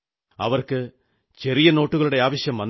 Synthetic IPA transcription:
ɐʋɐrkɨ | t͡ɕe̞rijɐno̞ːʈːuɣɐɭuɽe̞aːʋɐɕjɐmʋɐn

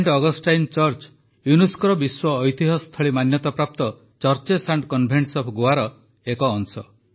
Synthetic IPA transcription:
eɳʈɔɡɔsʈajnt͡ʃɔɾt͡ʃ | juniskɔɾɔbiswɔːjt̪iɦɔst̪ʰɔɭimanjɔt̪ɔpɾap̚t̪ɔ | t͡ʃɔɾt͡ʃesaɳʈkɔnbʱeɳʈsɔpʰɡoaɾɔ | ekɔːŋsɔ

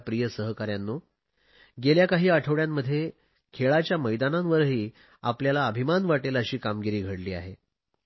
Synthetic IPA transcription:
pɾijəsəɦkaɾjanːo | ɡeljakaɦiːaʈʰəʋɽjamːəd̪ʱːje | kʰeɭat͡ɕjaməjd̪anamʋəɾɦiː | a̰pljalaəbʱimanʋaʈeləɕiːkamɡiɾiːɡʱəɽliːa̰ɦe

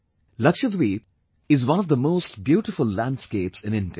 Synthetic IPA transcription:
lʌkʃəd̪wiːp | ɪzwʌ̃nɔvd̪əmoːsʈbjuːʈɪfʊlːæ̃nɖskeːpsɨ̃nɪ̃nʈə

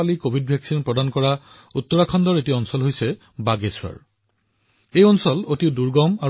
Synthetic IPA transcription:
alikobʱid̚bʱjaksinpɹɔdankɔɹa | ut̪ːɔɹakʰɔndɔɹetiɔnsɔlɦojsɛ | baɡeswa̰ɹ | ejɔnsɔlotiʊduɹɡɔma

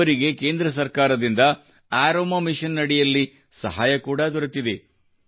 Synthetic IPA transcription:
ɐɾiɡe̞ke̞ːnd̪ɾɐs̬ɐɾkaːɾɐd̪ind̪ɐ | aːɾoːmɐmiʂɐnːɐɽɛjɐlːi | sɐ̰ɦaːjɐkuːɽɐd̪ɔɾɐt̪ːid̪e

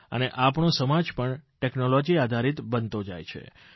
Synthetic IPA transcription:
ə̰neʔapɳõsəmad͡ʒpəɳʈeknolod͡ʒiad̪ʱaɾit̪bənt̪od͡ʒa̰jt͡ʃʰḛ

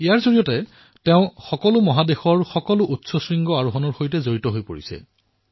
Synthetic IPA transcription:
ijaɹzoɹijɔtɛ | teʊ̃xɔkɔlʊmɔɦadexɔɹxɔkɔlʊʔutsɔsɹiŋɡɔaɹuɦɔnɔɹxojtɛzoɹitɔɦojpoɹḭsɛ̰

